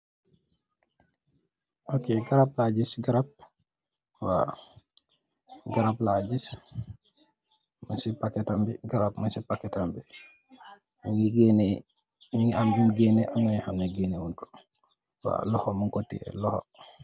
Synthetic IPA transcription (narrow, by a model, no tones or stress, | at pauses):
ʔokeɡaɾaplaɟisɡaɾap̚ | wa̰ | ɡaɾaplaɟis | munsipakɛtambɛɡaɾap̚munsipakɛtambi | jiŋiɡenɛ | jiŋɡiambinɡenɛʔaŋɡanihamneɡenewuntu̥ | wa̰lɔhɔmuŋkotːḭɛ̰lɔhɔ̰